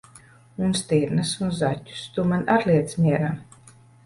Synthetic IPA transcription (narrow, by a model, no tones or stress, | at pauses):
unst̪iɾnɨsunzatʲːu̥st̪umanʔaɾliɛt̪smʲiɛɾaː